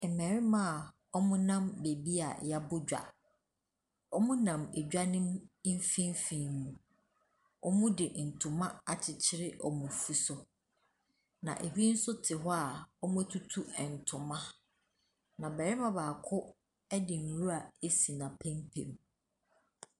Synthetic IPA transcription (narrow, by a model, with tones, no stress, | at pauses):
ɛ˨mɛ̃˨ɾɪ˦mã˦˨ | ɔ˦mʊ̃˦nã˦mbe˨bi˦a̰˨ja˦bʊ˦d͡ʑᶣa̰˨ | ɔ˦mʊ̃˦nã˨me˨d͡ʑᶣa˦nʊ̃˦m˦m̩˦fĩ˦n˦fĩ˨mũ˨ | ɔ̰˦mʊ̃˦dɪ˨n̩˨tʰʊ̃˨mã˦a˨t͡ɕʰɪ˨t͡ɕʰɪ˦ɾɪ˦ʔɔ˨mʊ̃˨fu˦sʊ˨ | nã̰˨ʔe˨hi˦n̩˦sʊ˦tʰɪ˨ɦɔ˦a˨ɔ˦mʊ̃˦tʰu˦tʰu˦ɛ˨n̩˨tʰʊ̃˨mã˦ | nã˨bɛ˨ɾɪ˦mã˨baː˨kʰʊ˦ | ɛ˦dɪ˨n̩˨ɾu˦a˨e˦si˨nã˨pʰɛ̃˦mpʰḛ̃˨m